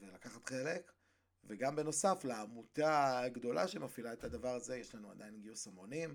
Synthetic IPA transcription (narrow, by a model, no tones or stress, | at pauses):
velakaχat̪χe̞le̞k | veɡambe̞no̞saflaːmutaɡd̪o̞laʃemafilaet̪ad̪avaʁaze̞jeʃlanua̰d̪ajinɡiosamo̞nim